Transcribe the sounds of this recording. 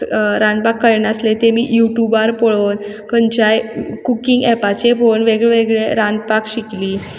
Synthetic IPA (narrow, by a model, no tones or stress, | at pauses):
ɾãnd̪̚pakːəjnaslet̪emḭːjuʈjubaɾpɔɭon | kəɲt͡ɕajkukiŋɡɛpat͡ɕefonʋeɡɭeʋeɡɭeɾãnd̪pakɕikliː